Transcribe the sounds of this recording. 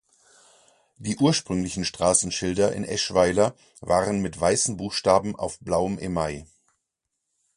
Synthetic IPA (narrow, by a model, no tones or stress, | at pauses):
d̥iːʔuːɐʃpʁ̥ʏŋlɪçn̩ʃtʁ̥aːsn̩ʃɪldɐʔɪ̰nʔɛ̰ʃv̥aɪlɐ | vaːʁənmɪtv̥aɪsn̩buːxʃtaːbm̩ʔa̰ʊfb̥laʊəmʔɪmːaɪ